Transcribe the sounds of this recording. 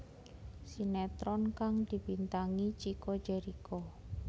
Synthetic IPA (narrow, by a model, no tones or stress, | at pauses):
sinɛt̪ɾɔnkaŋd̪̥i̤b̥int̪aŋit͡ʃiko̥d͡ʒɛɾiko